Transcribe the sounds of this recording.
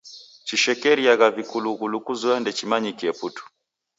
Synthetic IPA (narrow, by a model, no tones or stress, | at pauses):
t͡ʃiʃɛkɛɾiaɣavikuluɣulukuzuɛndɛt͡ʃimaɲikiɛputu̥